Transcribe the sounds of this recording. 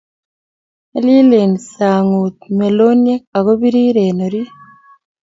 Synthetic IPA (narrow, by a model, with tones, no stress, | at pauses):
eli˦lensaː˨ŋu˨t̪me˨lo˦nie˦a˨ɣo˦βiɾiː˦ɾeːnoɾi